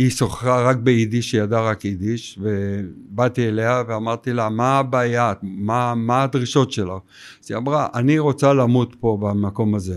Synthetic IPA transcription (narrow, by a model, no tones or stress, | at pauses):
iso̞χχaʁak̚beidiʃejadaʁakid̪iʃvebat̪iele̞haveamaʁt̪ilamabaːjamamaːd̪ʁiʃo̞tʃelaχ | z̥iamʁaʔaniʁo̞t͡salamut̪po̞bamako̞maze̞